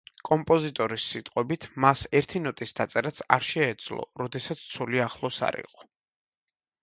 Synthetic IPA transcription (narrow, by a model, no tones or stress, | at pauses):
kʼɔmpʼɔzit̪ʼɔɾisːit̪ʼqʼwɛbit̪ʰmasɛɾt̪ʰinɔt̪ʼisd̪at̪sʼɛɾat̪sʰa̰ɾʃɛːd̪z̥lˠɔ̰ɾɔd̪ɛsat̪sʰt̪sʰuliaχlˠɔsa̰ɾḭqʼɔ̥